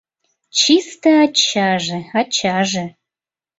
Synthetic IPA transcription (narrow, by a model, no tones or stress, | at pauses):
t͡ɕist̪əɑt͡ɕːɑʒeɑt͡ɕɑʒĕ